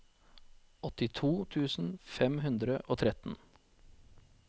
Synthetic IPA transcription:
ɔt̪ɪt̪ʰuːt̪ʰʉːsn̩fɛmɦʉnd̪ɾəʔoːt̪ʰɾɛt̪n̩

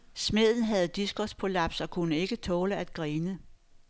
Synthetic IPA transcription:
smeð̰ˠn̩ɦæð̞̩ˠd̥isɡ̥ɒspʰolæb̥sɒ̽kʰunəe̝ɡ̥ət͡sʰɔ̽ːləæd̥̚ɡ̥ʁiːnə

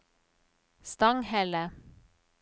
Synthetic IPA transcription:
st̪ɑŋhɛlə

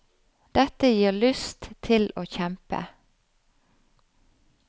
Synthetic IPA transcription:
d̪̥ɛt̪əjiːʁlʏst̪ʰɪloːçɛmpə̰

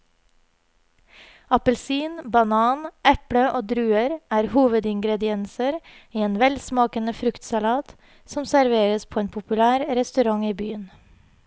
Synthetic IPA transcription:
ɑpəlsiːnbɑnɑːnʔɛpɽəʔoːd̪ɾʉːəɾæːɾhuːʋəd̪ɪŋɡɾɛd̪ɪɛnsəɾ | iːeːnʋɛlsmɑːkənəfɾʉkt̪sɑlɑːt̪ | sɔmsæɾʋeːɾəspʰoːeːnpʰʊpʉlæːɾɾɛst̪ʉɾɑŋiːbyːən

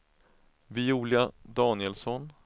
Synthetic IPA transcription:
vɪːuːljad̪ɑːnɪɛlsɔn

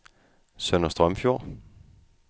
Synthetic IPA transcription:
sœnɒsd̥ʁœmfjo̝ɐ̰

